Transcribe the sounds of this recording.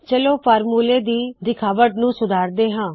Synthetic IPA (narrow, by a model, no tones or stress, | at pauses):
t͡ʃəloːpʰaːɾmuːleːd̪iːd̪ɪkʰaːʋəʈnũːsʊd̪ʱaːɾd̪eːɦãː